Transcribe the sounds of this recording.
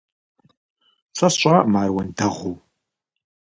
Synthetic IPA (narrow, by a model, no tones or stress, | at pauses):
sʰʷɐsɕʷʼamaːrwɐndɐʁʷow